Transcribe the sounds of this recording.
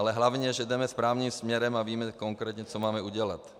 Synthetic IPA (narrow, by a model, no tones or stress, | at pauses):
alɛɦlavɲɛʒɛd̪ɛmɛspɾaːvniːmsmɲɛɾɛmaviːmɛkoŋkɾɛːt̪ɲɛt͡sɔmaːmɛuɟɛla̰t̪